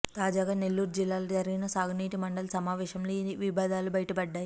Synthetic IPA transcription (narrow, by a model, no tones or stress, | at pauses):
t̪aːd͡ʒaːɡaːnelːuːɾud͡ʒilːaːlɐd͡ʒɐɾɐɡinɐsaːɡʱɐniːʈimɐɳɖɐlɐsɐmaːʋɛːʃɐmloʋibʱaːd̪ʱaːlubɐjʈɐbɐɖːaːji